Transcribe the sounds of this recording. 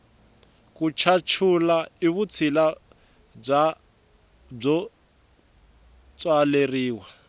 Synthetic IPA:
kʼut͡ʃʰat͡ʃʰulaiβut͡sʰila | b͡ʐa | b͡ʐɔ | t͡sʼwaleriːwa

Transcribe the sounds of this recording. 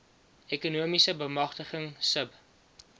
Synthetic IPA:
ɛkunuəmisəbəmɐχtəχəŋsəp

